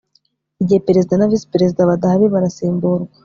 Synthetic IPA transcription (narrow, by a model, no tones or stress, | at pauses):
iɟihepeɾe̞zid̪anavise̥peɾe̞zid̪aβadahaβiβaɾasiːmbuɾɡwḁ